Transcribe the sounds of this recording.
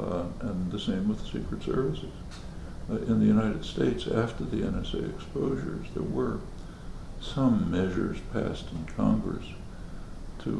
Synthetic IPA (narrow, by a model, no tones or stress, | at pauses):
ʔɨ̃nðɨsẽɪ̃mwəð̥sikɹɨtsɜ˞vɨsɨz̥ | ɪ̃nðɨjʉnaɪɾɨd̥steɪtsæftə˞ðiɛ̃nɛsḛɪɨkspoʊʒə̰˞zðə̰˞wə˞ | sʌ̃mːɛʒə̰˞z̥pʰæ̰stn̩kʰɑ̰̃ŋɡɹɨ̰s | tʰɨ